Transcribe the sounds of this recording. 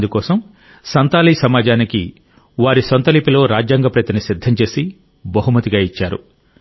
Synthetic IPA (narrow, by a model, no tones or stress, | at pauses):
d̪ukɔːsɐm | sɐnt̪aːliːsɐmaːd͡ʒaːniki | ʋaːɾisont̪ɐlipilo̞ːɾaːd͡ʒjaːŋɡɐpɾɐjt̪ɐnisid̪ʱːɐmt͡ʃe̞ːsi | bɐɦumɐt̪iɡaːit͡ʃːaːɾṵ